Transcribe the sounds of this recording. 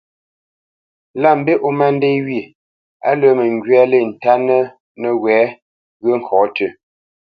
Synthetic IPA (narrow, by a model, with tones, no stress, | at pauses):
la˦˨m̩˦be˦ʔo˦ma˦n˦de˦wɥi˨ | a̰˦lə˦mə˨ŋ˨ɡɥɛ˦le˦˨n̩˨ta˦nə˦ | nə˨wɛ˨˦ | ɣə˦ŋ̩˨kʰɔ˨˦tə˨